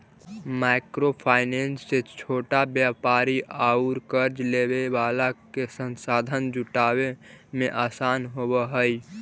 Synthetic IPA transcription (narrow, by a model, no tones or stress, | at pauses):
maɪkɾopʰaːɪneːnsːet͡ʃʰoːʈabjaːpaːɾiʔaːuɾkəɾd͡ʒleːweʋaːlakesə̃nsaːd̪ʱənd͡ʒʊʈaːwemẽʔaːsaːnɦowəɦəi